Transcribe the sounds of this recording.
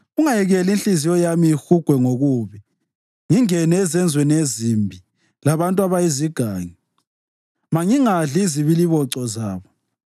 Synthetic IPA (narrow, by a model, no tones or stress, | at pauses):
uŋajɛɣɛlinɬʼizijɔjamiixuɡ̥ʱwɛŋoɣuβi | ŋiŋɛnɛːzɛnd͡zʱwɛnezimbʱi | laβantʼwaβajiziɡ̥ʱaːŋi | maŋiŋaɮiziβiliβɔǀɔzaːβɔ